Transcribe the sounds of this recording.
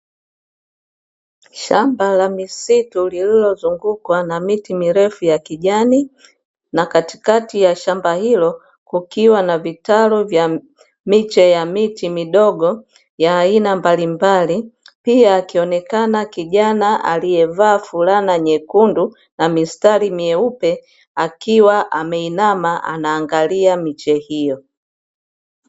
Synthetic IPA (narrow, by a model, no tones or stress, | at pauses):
ʃambalamisitulililɔzuŋɡukwanamitimiɾɛfujakiʄani | nakati̥katijaʃambahilɔ | kukiwanavitaluvja | mit͡ʃɛjamitimiɗɔɡɔ | jaːinambalimbali | piaːkiɔnɛkanakiʄanaʔa̰lijɛvaːfulanaɲɛkundu | namistalimiɛupɛ | akiwaʔamɛinamaʔa̰naːŋɡaliamit͡ʃɛhijɔ